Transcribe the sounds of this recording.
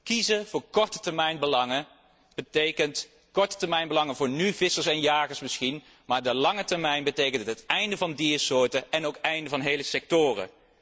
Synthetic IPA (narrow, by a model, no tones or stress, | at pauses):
kizəv̥ʊːɹkɔɹtətɛɹmɛjnbəlɑŋə | b̥ətejkənt | kɔɹtə̥tɛɹmɛjnbəlɑŋəvʊːɹnyvɪsəɹsɛnjaːχəɹsmɪsxin | maːɹdəlɑŋətɛɹmɛjnbətejkəntəɦətɛjndəvɑndiːsʊːɹtəɛnowkɛjndəvɑnɦejləsɛk̚tʊːrə̰